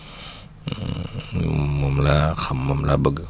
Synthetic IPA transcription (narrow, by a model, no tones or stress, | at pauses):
momlakʰamːamlabaɡ